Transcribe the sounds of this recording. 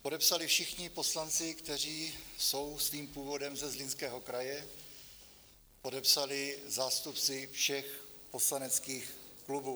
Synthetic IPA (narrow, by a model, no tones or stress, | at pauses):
po̞dɛpsalɪfʃɪxɲɪpo̞slant͡sɪkt̪ɛriːso̞wsviːmpuːvo̞dɛmzɛzlɪnskɛːɦo̞kɾajɛ | po̞dɛpsalɪzaːst̪upt͡sɪfʃɛx | poslanɛt͡skiːxklubuː